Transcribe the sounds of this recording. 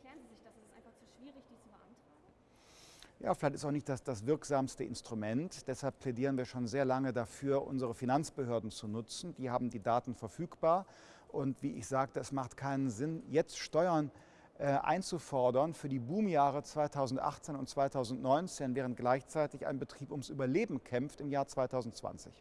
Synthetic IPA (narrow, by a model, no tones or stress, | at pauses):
ɪ̥ | anf | iːʁɪçd̥iːt͡subəantaː | ja̰ːfɪlaçtɪstaʊxnɪçtd̥asd̥as̬v̥ɪɐkz̥aːmstəʔɪ̰nstʁ̥umɛntd̥ɛshalp̚pʰl̥ɛdiːʁ̞ənviːɐʃoːnzeːɐlaŋədafyːɐʔʊ̰nzəʁəfinant͡sb̥əhøːɐdn̩t͡sunʊt͡sn̩d̥iːhaːbm̩diːdaːtn̩fɛɐfyːkb̥aːɐ | ʔʊntv̥iːʔɪ̰çz̥aːk̚təɛsmaχtkʰaɪnənzɪnjɛt͡stʃtɔʏɐn | ʔɛʔa̰ɪnt͡sufɔɐdɐnfyːɐdiːbuːmjaːʁ̞ət͡sv̥aɪtʰaʊzn̩tʔa̰χt͡seːnʊnt̚t͡sv̥aɪtʰaʊzn̩tnɔʏnt͡seːnvɛːʁənt̚ɡ̥laɪçt͡saɪtɪça̰ɪnbətʁ̥iːpʊmsʔyːbɐleːbm̩kʰɛmftɪmjaːɐt͡sv̥aɪtʰaʊzn̩tt͡sv̥a̰nt͡sɪ̰ç